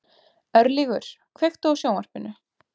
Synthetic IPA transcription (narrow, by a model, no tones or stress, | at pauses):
œɾliɣʏɾ̥ | kʰvejxt̪awsjoːwar̥pɪnːʏ